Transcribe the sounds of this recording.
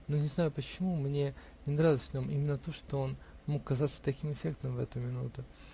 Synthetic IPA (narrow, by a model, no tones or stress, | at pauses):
nunʲɪznajʊpət͡ɕɪmumnʲe̞ | nʲɪnɾavʲɪvʲnʲo̞mimʲɪnːət̪o̞ʂt̪oo̞nmo̞kːɐzat̪sə̥t̪ɐkʲimɨfʲe̞k̚t̪əmvɛ̰t̪ʊmʲɪnṵt̪ʊ